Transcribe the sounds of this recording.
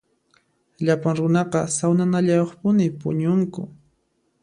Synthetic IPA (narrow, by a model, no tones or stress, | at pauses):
ʎapaŋɾʊnɑqɑsawnanaʎajoχpʊnɪpʊ̰ɲʊŋkʊ̰